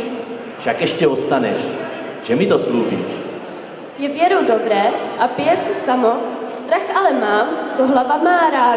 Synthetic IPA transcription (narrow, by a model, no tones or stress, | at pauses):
fʃakɛʃcɛost̪anɛ̰ʃ | ʒɛmit̪osmluːvḭːʃ | jɛvjɛɾowdobɾɛːʔapɪjɛsɛsamost̪ɾaxʔalɛmaːmt͡soɦlavamaːɾaː